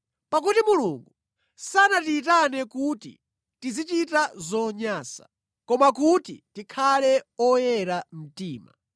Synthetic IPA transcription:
pak̬utimuluŋɡu | sanatiːt̬anɛkutḭ | tizit͡ʃitazɔɲaːsḁ̰ | kɔmakutitikʰalɛɔjɛɾam̩tiːma̰

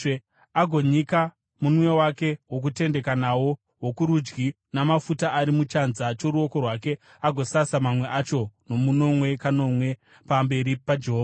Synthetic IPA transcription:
aɡʱo̞ɲika | munmwe̞wake̞wo̞k̬ute̞nde̞kanawo̞ | wokuɾud͡ʒɡi | namafutaʔaɾimut͡ʃanzat͡ʃo̞ɾuo̞ko̞rwake̞ | aɡʱo̞sasamamwe̞ʔat͡ʃo̞no̞muno̞mwe̞kano̞mwe̞ | pambe̞ɾipad͡ʒe̞ɦoːva

